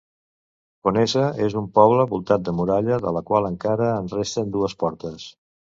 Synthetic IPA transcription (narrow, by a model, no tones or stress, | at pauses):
konezəezumpɔβ̞ləβulˠt̪at̪̚d̪əmuɾaʎəðə̰ləkwalˠəŋkaɾəːnrest̪ənd̪uəspɔɾt̪əs